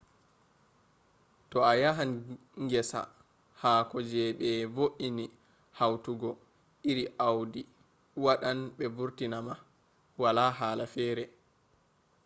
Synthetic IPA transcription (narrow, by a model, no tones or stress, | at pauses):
tɔajaɦan | ŋɡɛsa̰ | haːkɔd͡ʒɛɓɛvoʔini | hawtuɡɔ | ʔiɾiʔawdi | waɗanɓɛbuɾtinama | walaɦaːlafɛːɾɛ